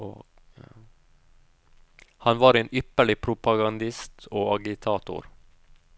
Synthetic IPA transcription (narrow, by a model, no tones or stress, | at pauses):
o | hɑnʋɑːɾeːnʔʏpəɭɪpʰɾʊpɑɡɑnd̪ɪst̪ʰoːɑɡɪt̪ʰɑːt̪ʊ̰ɾ